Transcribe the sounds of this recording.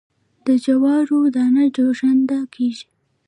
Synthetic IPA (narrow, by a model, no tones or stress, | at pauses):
d̪̥əd͡ʒawɑɾod̪ɑnad͡ʒoʒand̪akʰeʒi